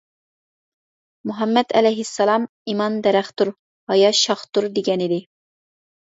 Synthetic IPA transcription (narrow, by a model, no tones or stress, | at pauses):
muɦɛmːɛd̪ɛ̰lɛjɦɪsːɑlˠɑm | imɑnd̪ɛɾɛχt̪uɾ | hɑjɑʃɑχt̪uɾd̪eɡʲɛnɪd̪ɪ